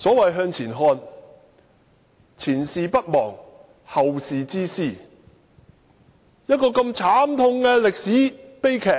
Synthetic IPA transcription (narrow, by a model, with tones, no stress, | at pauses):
sɔː˨˥wɐ˨jɦœː˧ŋt͡sʰiː˨˩nɦɔː˧n | t͡sʰiː˨˩nsiː˨pɐ˥t̚mɔ̰ː˨˩ŋ | hɐ˨wsiː˨t͡siː˥siː˥˩ | jɐ˥t̚kɔː˧kɐ˧mt͡sʰaː˨˥mt̪ʰʊ˧ŋkɛː˧lɪ˨k̚siː˨˥pe˥jkʰɛː˨˩k̚